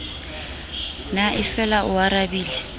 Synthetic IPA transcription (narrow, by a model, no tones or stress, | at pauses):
naʔɪfɛlaʔʊaɾabiːlɛ